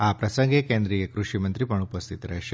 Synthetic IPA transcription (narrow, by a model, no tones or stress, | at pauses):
aːpɾɐsɐŋɡekeːnd̪ɾiɡekɾuʂimɐnt̪ɾipɐɳupɐst̪ʰit̪ɾɛːʂ